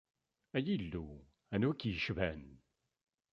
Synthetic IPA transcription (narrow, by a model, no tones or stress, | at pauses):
æjilːu | ænwækːjəʃvæn